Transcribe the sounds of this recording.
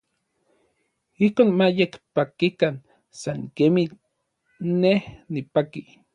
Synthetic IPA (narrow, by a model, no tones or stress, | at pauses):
ihkoːnmajekpakikan | saŋkemi | nehnipaki